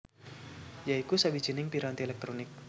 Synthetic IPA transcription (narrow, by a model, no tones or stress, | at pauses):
jaikusabid͡ʒinɪŋpiɾant̪iɛlɛk̚t̪ɾonɪk̚